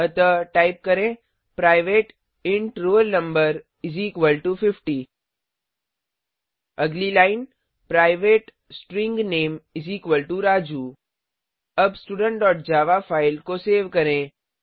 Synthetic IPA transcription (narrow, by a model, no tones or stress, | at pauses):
ɐt̪əʈaːɪp̚kɐɾẽː | pɾaːɪʋeːʈ | ɪ̃ɳʈɾoːlnə̃mbəɾ | ɪziːkʋəlʈufɪfʈi | ɐɡlilaːɪn | pɾaːɪʋeːʈ | sʈɾɪ̃ŋɡneːmɪziːkʋəlʈuɾaːd͡ʒuː | ɐbsʈuːɖə̃ɳʈ̚ɖɔːʈ̚d͡ʒaːʋafʰaːɪlkoseːʋkɐɾẽː